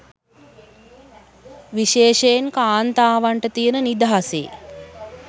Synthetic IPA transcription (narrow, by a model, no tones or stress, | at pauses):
ʋiʃeːʃejnkaːnt̪aːʋaɳʈət̪ijənənid̪aɦasḛ